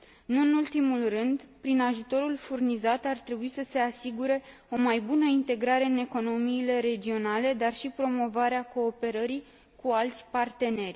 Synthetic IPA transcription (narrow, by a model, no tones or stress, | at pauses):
nuɨnult̪imulrɨnd̪pɾinaʒut̪o̞ɾulfurnizat̪art̪ɾe̞buisəse̞asiɡuɾe̞ | o̞majbunəint̪e̞ɡɾaɾe̞ɨne̞ko̞no̞miːle̞ɾe̞d͡ʒio̞nale̞d̪arʃipɾo̞mo̞vaɾeako̞ːpe̞ɾəɾi | kualt̪sʲpart̪e̞ne̞rʲ